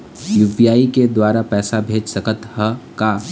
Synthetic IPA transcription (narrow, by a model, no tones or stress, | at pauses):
jʊʋijaːiked̪waːɾapɛːsabʱeːd͡ʒsɐkət̪həka